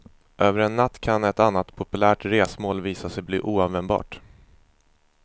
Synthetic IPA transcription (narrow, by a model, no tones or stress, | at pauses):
ʔøːvəɾɛnːat̪ːkʰanɛt̪anːat̪pʰʊpɵlæːʈɾeːsmoːlviːsasɛjblḭːʔuːavɛnbɑ̰ːʈ